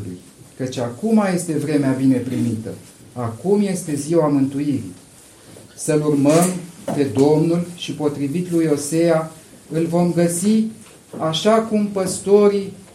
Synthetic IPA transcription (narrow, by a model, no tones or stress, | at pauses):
lṵj | kət͡ʃʲakumaje̞st̪e̞vɾe̞meabine̞pɾimit̪ə̰ | akumje̞st̪e̞ziwamɨnt̪uiɾḭ | səlurməmpe̞d̪o̞mnulʃipo̞t̪ɾivit̪lujo̞se̞ja | ɨlvo̞mɡəsi | aʃakumpəst̪o̞ɾi